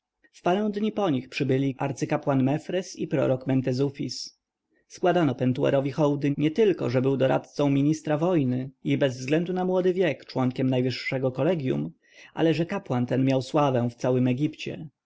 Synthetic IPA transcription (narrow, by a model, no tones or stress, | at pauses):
fpaɾɛ̃w̃d̪ɲipɔɲixpʂɘbɘlʲiʔaɾt̪sɘkapwanmɛfɾɛsipɾɔ̰ɾɔkmɛnt̪ɛzufʲis | skwad̪anɔpɛnt̪uɛ̰ɾɔvʲixɔwd̪ɘɲɛt̪ɘlkɔ̰ʐɛbɘwd̪ɔɾa̰t̪t̪sɔ̃w̃mʲiɲist̪ɾavɔjnɘibɛzvzɡlɛnd̪unamwɔd̪ɘvʲjɛkt͡ʂwɔŋkʲɛmnajvɘʂːɛɡɔkɔlɛɡʲjṵm | ʔa̰lɛʐɛkapwant̪ɛnmʲjawswavɛ̃ft̪sawɘmɛɡʲipt͡ɕɛ̰